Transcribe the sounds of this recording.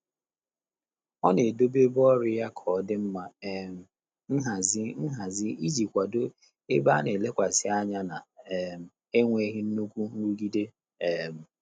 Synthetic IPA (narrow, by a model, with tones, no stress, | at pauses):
ɔ˦ne˨do˦be˦bɔ˦ɾɪ˦ja˦kʰɔ˨˦dɪ˦m̩˦ma˦˨m̩˨ | n̩˦ɦa˨zɪ˦n̩˦ɦa˨zɪ˦i˦zi˨kʷa˨do˦ | e˦ba˦ne˨le˦kʷa˨sɪ˨a˦ɲa˦na˨m̩˨ | e˦ŋʷe˨˦ɦɪ˦n̩˦nu˦kʷu˦n̩˦u˦ɡi˦de˦ | ɛ˨m̩˨